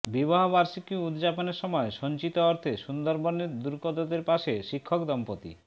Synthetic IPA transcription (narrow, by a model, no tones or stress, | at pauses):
bibaɦobaɾʃikiud̪d͡ʑaponeɾʃɔmɔeʃɔɲt͡ɕit̪oɔɾt̪ʰeʃund̪oɾbonːed̪uɾkɔd̪od̪eɾpaʃeʃikʰːokd̪ɔmpot̪ḭ